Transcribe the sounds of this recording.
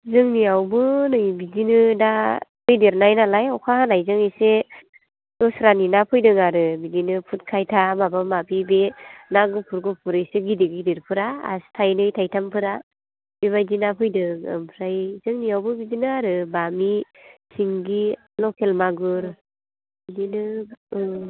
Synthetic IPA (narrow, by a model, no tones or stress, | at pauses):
zɯŋniawbɯnɯjbizinɯdapɯjdeɾnajnalajɔwkʰahanajzɯŋijse | dɔsɾaninapʰɯjdɯŋaɾɯbizinɯpʰut̚kʰajtʰamabamapibenaɡɯpʰuɾɡɯpʰuɾɯjseɡidiɡidiɾpʰɯɾa̰ːstʰajnɯjtʰajtʰampʰɯɾa | b̥ebajdinapʰɯjdɯŋɯ̰mpʰɾajzɯŋnijawbɯbizinɯaɾɯbami | siŋɡi | lɔkʰelmaɡɯɾ | bidinɯ